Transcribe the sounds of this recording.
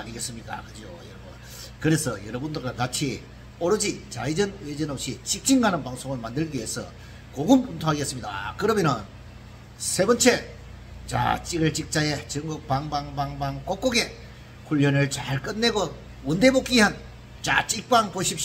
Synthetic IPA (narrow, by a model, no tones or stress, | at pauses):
aɲiɡe̞s͈ɯmɲik͈a̰kɯd͡ʑio̰jʌɾbo | kɯɾe̞sʰʌjʌɾʌbundɯɭɡwakat͡ɕʰi | oɾod͡ʑit͡ɕaid͡ʑʌned͡ʑʌnʌp̚ɕ͈it͡ɕik̚t͡ɕ͈iŋɡanɯnpaŋsʰoŋɯɭmandɯɭɡie̞sʰʌ̰ | koɡumuntʰoaɡes͈ɯmɲida̰kɯɾʌmjʌnɯn | sʰe̞bʌnt͡ɕʰe̞ | t͡ɕa̰t͡ɕ͈iɡɯɭt͡ɕik̚t͡ɕ͈aje̞t͡ɕɯŋɡok̚paŋbaŋbaŋbaŋk͈ok͈̚oɡe̞ | kuʎːʌnɯɭt͡ɕaɭk͈ɯnːe̞ɡo | unde̞bok͈iɦan | t͡ɕa̰t͡ɕ͈ik̚p͈aŋpoɕʰip̚ɕ